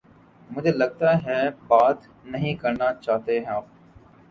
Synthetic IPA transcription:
mʊd͡ʒʱelɐɡ̚t̪aɦɛbaːt̪ | nɐɦĩkɐɾnat͡ʃaːɦt̪eɦɛ̃aːp̚

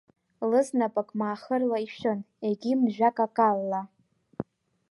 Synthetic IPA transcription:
lɨznapʼakʼmaːχərlaiʃɨn | eɡʲimʒᶣakʼakʼalːa

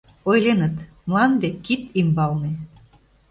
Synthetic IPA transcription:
ojlenə̆t̪ | mlɑnd̪ekit̪imbɑlnĕ

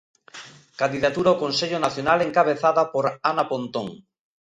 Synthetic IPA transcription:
kand̪iðat̪uɾaokonseʎonaθjonaleŋkaβ̞eθaðapoɾanapont̪oŋ

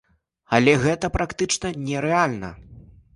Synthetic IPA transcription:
alʲɛɣɛt̪ɐpɾakt̪ɨt͡ʂnɐnʲɛɾɛalʲnɐ̰

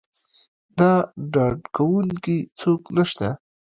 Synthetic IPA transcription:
d̪ɑɖɑɖkawuŋkit͡soknəʃt̪a

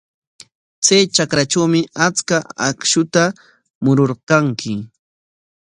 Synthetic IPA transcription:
t͡sajt͡ʃakɾat͡ʃawmɪat͡skaa̰kʃʊt̪a | mʊɾoɾkaŋkʰɪ

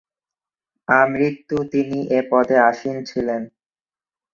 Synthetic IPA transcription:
amɾit̪ːut̪iniʔepɔd̪ʱeaʃint͡ɕʰilen

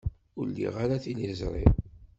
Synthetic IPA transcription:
ʊɾlḭʁaɾaθinizɾˤḭ

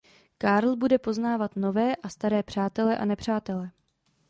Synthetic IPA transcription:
kaɾl̩budɛpo̞znaːvat̪no̞vɛːʔast̪aɾɛːpr̝̥aːt̪ɛlɛʔa̰nɛpr̝̥aːt̪ɛlɛ

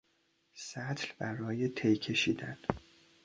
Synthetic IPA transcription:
sæt̪ʰlbæɾɒːjet̪ʰejkʰe̞ʃiːd̪æn

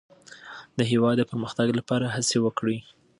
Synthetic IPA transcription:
d̪əɦewɑd̪ːəpəɾməxt̪aɡlapɑɾahəsewəkɽi

